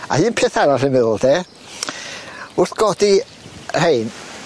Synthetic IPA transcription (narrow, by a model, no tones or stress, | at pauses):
a̰hɨːnpʰeːθaɾarɪmɪðʊlˠde | ʊrθɡ̥ɔdi | r̥ejn